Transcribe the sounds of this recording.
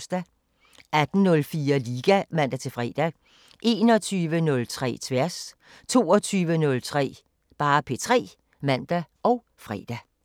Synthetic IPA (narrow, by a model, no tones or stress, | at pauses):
sd̥æ | æd̥n̩nɔ̽lfiːɐliːɡ̥æmæn̰d̥æt͡sʰe̝fʁɛ̰ːd̥æ | ʔe̝ːnɒ̽t͡sʰyːʋənɔ̽lt͡sʰʁɛ̰ːt͡sʰʋæɐ̰s | t͡sʰo̝̰ːɒt͡sʰyːʋənɔ̽lt͡sʰʁɛ̰ː | b̥ɑ̈ːpʰe̝̰ːt͡sʰʁɛ̰ː | mæn̰d̥æʔɒʊ | fʁɛ̰d̥æ